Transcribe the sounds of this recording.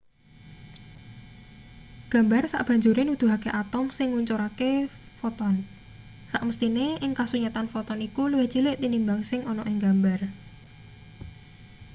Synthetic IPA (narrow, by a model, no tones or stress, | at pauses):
ɡ̥ä̤mbarsa̰ʔb̥ä̤ɲd͡ʒuɾɪnud̪̥ṳɦakeʔat̪ɔmsɪŋuɲt͡ʃoɾake | fɔt̪ɔn | saʔməst̪ineʔɪŋkasuɲat̪anfɔt̪ɔnikulwe̥d͡ʒ̥i̤lɪʔt̪inimbaŋsɪŋɔnɔʔɪŋɡambar